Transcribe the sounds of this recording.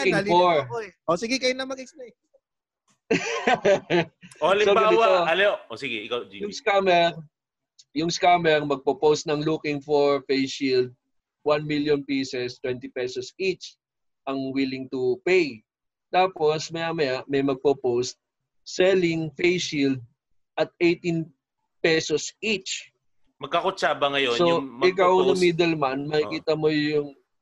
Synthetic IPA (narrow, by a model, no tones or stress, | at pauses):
kɪlfoɹosɪɡɪkɐjʊnɐmɐɡɛksp̚ej | ʔoɐliobaɪwaoɐloʔosɪɡɛʔɪkawd͡ʒijʊskamɛɾ | jʊŋskamɛɾmɐɡ̚popowst̪̚nɐŋlukɪŋfoɹfejʃild̪̚ | wanmiljɔnpisɛst̪wɛnt̪ɪpɛsɔsit͡ʃ | ʔɐŋwilɪŋt̪ʊpej | t̪aːposmɐjamɐjaʔmɐjmɐɡ̚popowst̪̚ | sɛlɪŋfejʃild̪̚ | ʔɐt̪̚ejt̪in | pɛsosʔit͡ʃ | mɐɡ̚kɐkʊt͡ʃaːbɐŋɐjonsoʊɪk̬awnnɐmid̪ɛlmanmɐkikiːt̪ɐmojʊŋ